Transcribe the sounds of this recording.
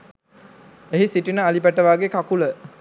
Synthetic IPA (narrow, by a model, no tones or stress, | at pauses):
eɦisiʈinəalipæʈəʋaːɡekakulə